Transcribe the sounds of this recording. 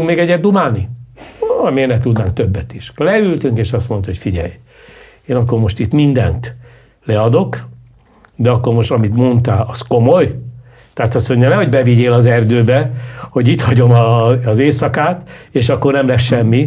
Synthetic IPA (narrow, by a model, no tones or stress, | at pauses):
uŋkmeːɡɛɟːɛd̪ːumaːni | meːrnɛt̪ud̪naːŋk̚t̪øbːɛt̪iʃolɛylt̪yŋkeːʃɒst̪mo̞nt̪oɦo̞cfiɟɛ̰j | eːnɒkːoɾmo̞ʃt̪it̪mind̪ɛ̰nt̪ | lɛɒd̪o̞k | d̪ɛɒkːo̞ɾmo̞ʃt̪ɒmit̪mo̞nt̪aːlɒsko̞mo̞j | t̪aat̪ɒsoɲːɛnɛɦo̞ɟbɛviɟeːlɒzɛrd̪øːbɛho̞ɟit̪hɒɟo̞mɒːzeːsɒkaːt̪eːʃɒkːo̞rnɛmlɛsʃɛmːi